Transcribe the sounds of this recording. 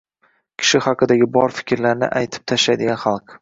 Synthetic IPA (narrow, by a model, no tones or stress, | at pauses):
kʲʰɪ̥ʃɪhɑqʰɨd̪aɡʲɪbɒɾfɪ̥kʲʰɾlaɾnɪ̰ʔajt̪ʰɪ̥p̚t̪ʰaʃajd̪ɪɡʲanχɑlˠq